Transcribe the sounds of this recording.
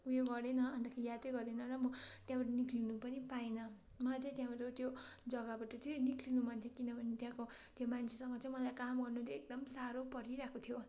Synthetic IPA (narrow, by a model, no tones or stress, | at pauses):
ujoɡʌɾenʌʌnt̪akʰaijat̪eɡʌɾenʌɾʌmʌt̪jãbaʈʌnikʰlinupʌnipainʌ | mat̪ʰet̪jãbaʈʌt̪jod͡zʌɡʌbaʈʌt̪ʰjonikʰlinumʌnt̪ʰjokinʌbʱʌnet̪jãkot̪jomant͡sʰesʌŋɡʌt͡sãĩmʌlajkamɡʌrnut̪ʰjoek̚d̪ʌmsaɾopʌɾiɾakʰot̪ʰjo